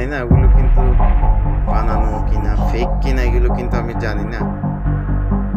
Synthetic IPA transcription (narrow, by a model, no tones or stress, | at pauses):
inaɡulukint̪u | pananukinafʰejkːinaɡulukint̪uamid͡ʒanina